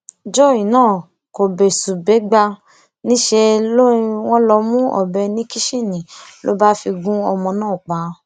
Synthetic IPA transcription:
d͡ʒɔ˦˨i˨nãː˦˨ | ko˨be˨su˨be˨˦ɡ͡ba˧ | nĩ˦ʃe˧lo˦i˧w̃ɔ̃˦lɔ˧mũ˦ɔ̰˨bɛ˧nĩ˦ki˦ʃe˦˨nĩ˨lo̰˦ba˦fi˧ɡũ˦ɔ˧mɔ̃˧nãː˦˨k͡pa˨˦

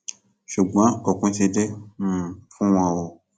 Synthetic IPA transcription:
ʃu˨ɡ͡bɔ̃˨˦ɔ˦˨kũ˧˦ti˧de˦ũ˦˨fũ˦w̃ɔ̃˧wɔ˨

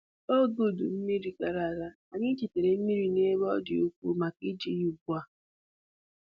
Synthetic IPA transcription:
o˦ɡo˨du˨m̩˦mi˦ɾi˦ka˨ɾa˨ɾa˦ | a˨ɲɪ˦t͡ʃi˨te˨ɾe˨m̩˦mi˦ɾi˦ne˦bɔ˦dɪ˨o˦kʷṵ˦ma˨ki˦d͡ʒi˦ju˨ɡʷa˨

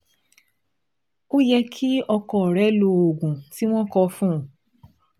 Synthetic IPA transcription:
o˦jɛ˧kʰi˦ɔ˧kɔ˧˦ɔ˨ɾɛ˨˦lo˧o˨ɡũ˨ti˦w̃ɔ̃˦kɔ˧fũ˦ũ˨

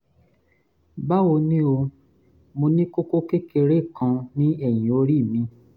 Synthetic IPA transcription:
ba˦wo˧nĩ˦o˧ | mõ˧nĩ˦ko˦ko˦ke˦ke˧ɾe˦˨kã˧nĩ˦ɛ˦˨j̃ĩ˨o˧˦ɾi˦˨mĩ˧

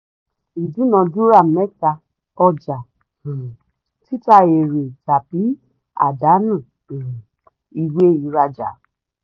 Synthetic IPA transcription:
i˨du˨˦nɔ̃˧du˦ɾa˦˨mɛ˦ta˧ | ɔ˧d͡ʒa˨ | ti˦ta˧e˨ɾe˨d͡ʒa˨bi˨˦ | a̰˨da˨˦nũ˦˨ | i˧we˦i˧ɾa˧d͡ʒa̰˨

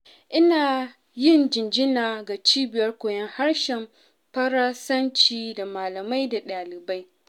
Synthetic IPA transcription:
ʔɪ˦naː˨ | jɪ˦nd͡ʒɪ˨nd͡ʒɪ˦naː˨ɡa˨t͡ʃiː˦bɪ˨jɐ˦rkʷoː˨jɐ˦ŋha˦rʃɪ˨m | pɐ˦ɾaː˦sɐ˦nt͡ʃiː˨da˨maː˨lɐ˨ma˦jda˨ɗaː˨lɪ˨ba˦j

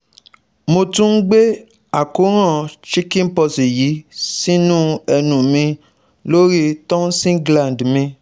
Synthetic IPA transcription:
mo˧tũ˦n̩˦ɡ͡be˦ | a˦˨ku˨˦ɾ̃ã˦˨ʃi˦kĩ˦n̩˦pɔ˧si˨ji˨˦si˦nũ˦ɛ˧nũ˨mĩ˧ | lo˦ɾi˦tɔ̃˦n̩˦sĩ˦ɡlã˨ndmĩ˧

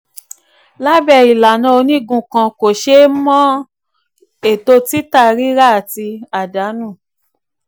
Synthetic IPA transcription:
la˦bɛ˦˧˨i˨la˨nã˧o˧nĩ˦ɡũ˧˨kã˧ko˨ʃe˦mɔ̃˦ | e˨to˧ti˦ta˦˨ɾi˦ɾa˦˨ti˧a˨da˨˦nũ˦˨

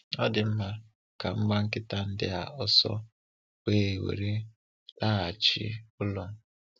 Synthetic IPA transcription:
ɔ˦dɪ˨m̩˦ma˦ | ka˨ŋ͡m̩˦ɡ͡ba˦ŋ̩˦kɪ˦ta˦n̩˦dɪ̰˦a̰˨ɔ˦sɔ̰˦ | we˦˨wḛ˨ɾi˦ | la˦a˨t͡ʃɪ̰˦ʊ˦lɔ˦

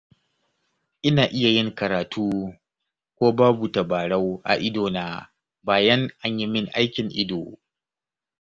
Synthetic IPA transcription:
ʔɪ˦naː˨ʔɪ˦ja˨jɪ˦ŋkɐ˨ɾaː˨tʰuː˦ | kʷoː˦baː˦bu˨tɐ˨baː˨ɽa˦wʔa̰˨ʔɪ˦doː˨naː˦ | baː˨jɐ˦ŋʔa˦ɲji˦mɪ˦ŋʔa̰˦jkʲɪ˨ŋʔɪ˦doː˨

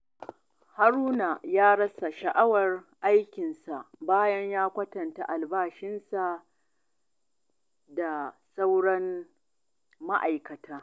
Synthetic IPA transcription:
ha˦ɾuː˦na˨jaː˦ɽɐ˦sa˨ʃɐ˨ʔa˦wɐ˨rʔa˦jkʲɪ˨nsa˨ʔbaː˦jɐ˦ɲjaː˦kʷɐ˦tɐ˨nta˨ʔa˨lbaː˦ʃɪ˦nsa˨ | da˨sa˦wɽɐ˦n | ma˦ʔa˨jkɐ˨tʰaː˦

